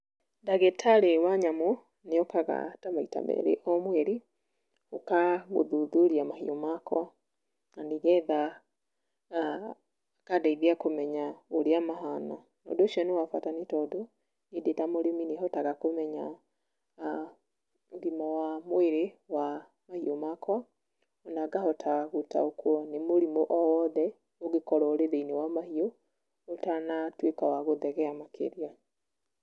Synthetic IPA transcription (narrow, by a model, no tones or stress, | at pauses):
daɣɛtʰalewaɲamɔ | neɔkaɣa̰tamaita̰mɛ̰ɾḛʔɔmwɛɾi | okaɣo̰ðuðuɾiamahiomakʰɔ | nandiɣɛða | kadaiðiakomɛɲaɣoɾeamaɦana | nɔ̰doʃiɔnewafwatanetɔdɔ | edetamoɾemineɦɔtaɣakomɛɲa | ɾimɔwamoeɾewa | mahiomakwa | ɔnaɡahɔtʰaɣuta̰okwɔnemoɾimoʔɔwɔðɛ | oɣekɔɾɔoɾeðeinewamahioː | tanatwekawaɣoðɛɣɛamakʰḛɾia